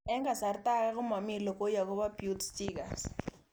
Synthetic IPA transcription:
ɛ˦ŋɡa˨sa˨rta˦ka˦k̬ʊ˦ma˨mi˨lɔ˨ko˦ja˨k̬ɔ˦ba˦pjutstikars

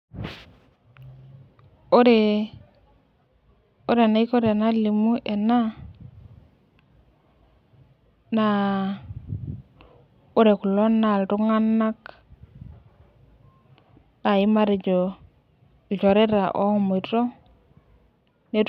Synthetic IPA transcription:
o˦ɾe˨ | o˦ɾe˨na˦i˦ko˦ɾe˨na˦li˨mu˦ʔe˨na˦ | na˦ | o˦ɾe˨ku˨lo˦nːa˨ltu˦ŋa˦nːa˦k | da˨ji˦ma˦ɾe˨d͡ʒo˨ | d͡ʒo˨ɾe˦ɾa˨ʔo̰˦hmo˨to˦ | ne˦t

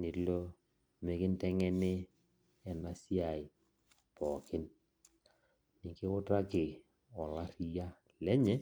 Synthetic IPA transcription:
nɪ˨˦lo˦ | me˨kɪ˦n˦tɛ˦ŋɛ˦nɪ˦ | ɛ˨na˨si˦a˨ɪ˨ | pɔ˨kɪ˦n | nɪ˨kɪ˦ʊ˦ta˦kɪ˨ | ɔ˨la˦ɾi˨ja˦ | lɛ˦ɲɛ˦

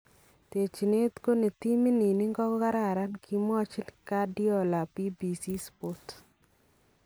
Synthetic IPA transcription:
te˨t͡ʃi˨ne˦t̪ko˦ne˨t̪i˦mi˦ni˨ni˦ŋɡɔ˦kka˦ɾa˦˨ɾa˦nkʰi˦m˦ɔ˦t͡ʃɪ˦lka˦dɪ˦ɔ˦la˨pi˦bi˨si˦spo˦t

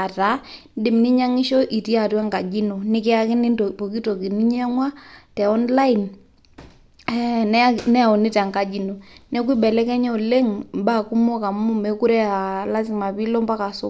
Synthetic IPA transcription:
a˨ta˨˦dɪ˨mni˦ɲa˦ŋɪ˦ʃɔ˦ʔi˨ti˦a˨twa˦ŋka˨d͡ʒi˦no˨nɪ˦kɪ˦a˦kɪ˦nɪ˦pɔ˨ki˦to˨ki˨ni˦ɲ˦a˦ŋwa˦tɛ˨ɔ˦nla˦i˨n | ɛ˦nɛnɛ˦a˨ɔ˨ni˦ta˨ŋka˨d͡ʒi˨nɔ˨nɛ˦k̬wi˦bɛ˨lɛ˦kɛ˦ɲɛ˦ɔ˨le˦ŋmba˦˨ku˦mɔ˦ka˨m˦u˦mɛ˨ku˦ɾɛ˦a˨la˦si˨ma˨pi˦lɔ˦mpa˦ka˨sʊ˦

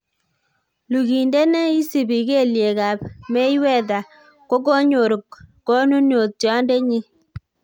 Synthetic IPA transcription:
lu˨ɡi˨nde˦ne˦i˦si˨bi˨ke˦˨lje˨ka˨p̚me˦jwɛ˦˨da˨ | ko˦ko˦ɲo˨ɾu˨kː | o˦nu˦njo˨t̚tɔ˦nde˦ɲi˦

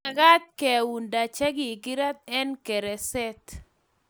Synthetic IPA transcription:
a˨ɡa˦t̪̚kɛ˨wu˨nda˨t͡ʃa˦ɡi˨ɡi˦ɾa˦t̪̚ɛ˦nkɛ˨ɾɛ˨sɛ˦t̪

